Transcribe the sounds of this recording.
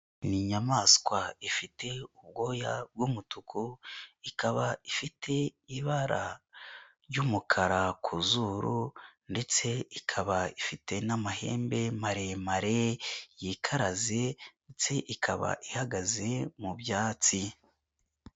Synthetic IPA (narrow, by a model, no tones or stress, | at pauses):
niɲamaːskwaifite̞ub̚ɡo̞ːjab̚ɡumutukʰuikaβaifitʰe̞iβaɾa̰ | ɾjumukʰaɾakʰuzuɾʔunde̞t͡se̞ikʰaβaifitʰe̞namaɦe̞̰ːmbe̞maɾe̞maɾe̞jikʰaɾazenet͡se̞ʔikʰaβa̰ʔihaɡaze̞mubjaːt͡si